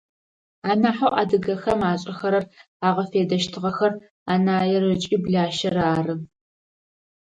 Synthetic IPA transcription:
aːnaːħowʔa̰ːdɨɣɐxɐmaːɕʼɐxɐɾɐr | aːʁɐfeːdɐʃtʰɨʁɐxɐr | aːnaːjɛrɨt͡ʃʼiːbɮaːʃɐɾaːrɨ

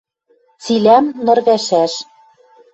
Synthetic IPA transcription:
t͡silæmnɤ̆rɣæʃæʃ

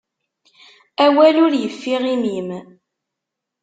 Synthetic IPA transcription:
æwælʊɾjəfːiʁimim

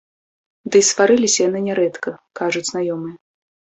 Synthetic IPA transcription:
d̪ɨsvaɾɨlʲisʲɐjanɨnʲɛɾɛt̪kɐkaʐut͡sʲznajɔmɨjɛ

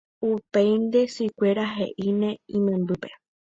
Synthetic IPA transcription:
upejnd̪e̞sujkʷeɾaɦḛʔinẽĩmẽmbɨpe̞̥

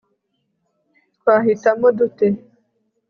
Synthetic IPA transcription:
tkwaːɦitamodute

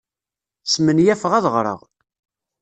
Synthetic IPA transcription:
smənjæfəʁæðʁɾˤə̰ʁ

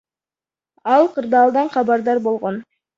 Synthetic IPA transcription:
ɑlˠqɯɾd̪ɑːlˠd̪ɑɴχɑbɑɾd̪ɑɾbo̞lˠʁo̞n

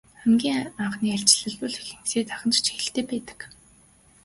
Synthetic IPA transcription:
χæmɡʲiːŋaɴχniːar̥ʲt͡ɕɪ̆ɮɘ̆ɮpʊ̆ɮxiɮɘ̆ŋseːt̪aχə̆nt͡ɕt͡ɕʰxĕɬt̪eːpæːt̪ə̥̆k

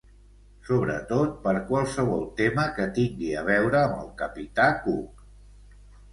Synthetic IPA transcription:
soβɾə̰t̪ot̪̚pəɾkwalˠsəβ̞ɔlˠt̪eməkət̪iŋɡiəβ̞ɛwɾəːmbə̰lˠkəpit̪akuk

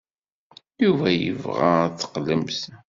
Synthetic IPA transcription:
juvæjə̰vʁæ̰t͡sːə̥qlːəms

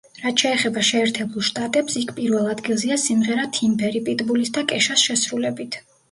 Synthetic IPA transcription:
ɾat̪ʰʃʰɛːχɛbaʃɛːɾt̪ʰɛbulˠʃt̪ʼat̪ʼɛpsikʰpʼiɾvɛlˠad̪ɡilˠziasimʁɛɾat̪ʰimbɛɾipʼit̪ʼbulisd̪akʼɛʃasʃɛsɾulɛbit̪ʰ

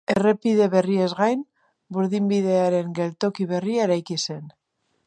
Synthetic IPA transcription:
e̞re̞pið̞e̞βe̞riezɣajn | buɾðimbið̞e̞aɾe̞ŋɡe̞lt̪o̞kiβ̞e̞riaɾajkise̞n

